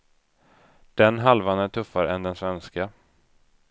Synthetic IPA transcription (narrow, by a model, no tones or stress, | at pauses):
d̪̥ɛnɦalvanæʈʰɵfːaɾəɛnd̪ɛnsvɛnska